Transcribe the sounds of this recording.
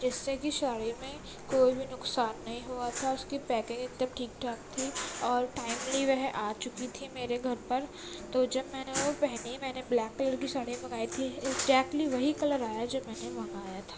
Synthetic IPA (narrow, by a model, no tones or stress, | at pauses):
d͡ʒɛːsekiʃaːɽemẽ | koːibʱinʊksaːnːɐɦĩɦuat̪ʰaʊskipɛːkẽɪd̪ɐb̚ʈʰiːk̚ʈʰaːkt̪ʰiɔːɾʈaːɪmliʋɛɦʔaːt͡ʃʊkit̪ʰimeːɾeɡʱɐɾpɐɾ | t̪od͡ʒɐbmɛːneopɛɦnemɛ̃ːneblɛːkːɐləɾkiʃaːɽẽbẽɡaːit̪ʰiɪɡzɛːk̚ʈliʋɐɦikɐləɾaːjad͡ʒɐbmɛːnemɐ̃ŋɡaːjat̪ʰaː